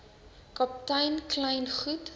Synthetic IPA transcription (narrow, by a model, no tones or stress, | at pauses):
kɐptɐjnklɛjnχut